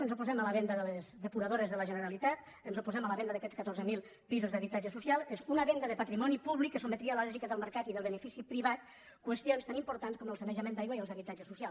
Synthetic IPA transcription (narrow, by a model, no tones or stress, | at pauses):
ənzupuzɛmələβɛnd̪əðəlezðəpuɾaðoɾezðələʒənəɾalit̪at̪ | ənzupuzɛmələβɛnd̪əðakɛt͡sskət̪oɾzəmilˠ | pizuzðəβit̪ad͡ʒəsusialˠezunəβɛnd̪əðəpat̪ɾimɔnipuβlikːəs̬umet̪ɾiəaləlɛɾʒikəðəlˠməɾkat̪iðəlˠβənəfisipɾiβat̪ | kwəst̪ionst̪animpuɾt̪anskɔməlˠsənəʒəmẽnd̪ajɣwəiðəlzðəβit̪ad͡ʒəsusjal